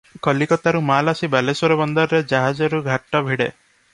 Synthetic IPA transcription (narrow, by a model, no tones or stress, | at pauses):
kɔlikɔt̪aɾumalasibalesɔɾɔbɔnd̪ɔɾɾed͡ʒaɦad͡ʒɔɾuɡʱaʈːɔbʱiɽḛ